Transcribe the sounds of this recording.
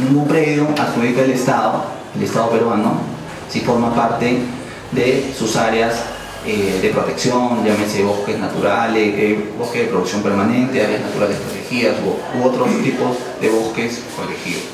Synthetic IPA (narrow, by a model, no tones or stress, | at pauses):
nĩŋɡumpɾeβjoaxuβikaelest̪aðo | elest̪aðopeɾwano | sifo̞ɾmapaɾt̪e | ðesusaɾeaz | eðe̞pɾo̞t̪e̞ksjo̞nɟ͡ʝamenseβoskeznat̪uɾaleeboskezðepɾoðuksjompeɾmanẽ̞nt̪eaɾjaznat̪uɾaldestp̪ɾot̪exiasooot̪ɾost̪ipoz | ðeβo̞skes | korexiðo